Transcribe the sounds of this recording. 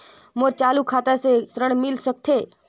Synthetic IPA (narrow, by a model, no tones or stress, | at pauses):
moɾt͡ʃaːlukʰaːt̪asesɾəɽ̃mɪlsək̚t̪ʰe